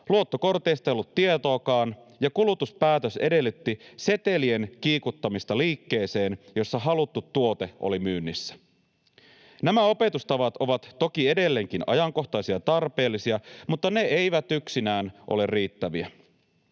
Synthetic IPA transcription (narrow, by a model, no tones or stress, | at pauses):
luo̞t̪ːo̞ko̞rt̪eist̪ɑejolːut̪ːiet̪o̞ːkɑːn | jɑkulut̪uspæːt̪øse̞de̞lːyt̪ːise̞t̪e̞lie̞nk̟iːkut̪ːɑmist̪ɑliːkːe̞ːse̞ːnjo̞sːɑɦɑlut̪ːut̪ːuo̞t̪e̞ʔo̞̰limyːnːisːæ̥ | næmæo̞pe̞t̪ust̪ɑʋɑt̪o̞ʋɑt̪ːo̞kie̞de̞lːe̞ŋk̟inʔɑ̰jɑŋko̞xt̪ɑsiɑt̪ɑrpe̞ːlːisiɑmut̪ːɑne̞e̞jʋæt̪yksinæːnʔo̰le̞rriːt̪ːæʋiæ